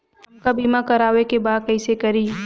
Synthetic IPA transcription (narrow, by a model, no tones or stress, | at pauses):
ʊnkabiːmakɐɾaːʋekebaːd̪̚kɛːsekɐɾiː